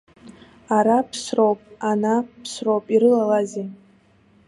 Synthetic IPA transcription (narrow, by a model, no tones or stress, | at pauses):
aɾapʰsrowpʼanapʰsrowpʼiɾɨlalaze